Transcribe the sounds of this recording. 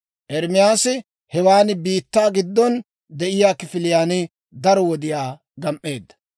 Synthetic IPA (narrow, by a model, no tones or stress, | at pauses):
ʔɛɾmɪjaːsɪ | hɛwaːnɪbiːt̪ːaːɡɪd̪ːɔn | d̪ɛʔɪjaːkɪfɪlɪjaːnɪ | d̪ɐɾɔwɔd̪ɪjaː | ɡɐmʔe̞ːd̪ːɐ̥